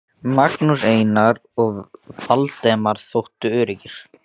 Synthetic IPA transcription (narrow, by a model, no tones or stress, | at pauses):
maknuseːjnaɾɔɣfalt̪ɛːmaɾ̥θowht̪ʏʏːɾɪcɪɾ̥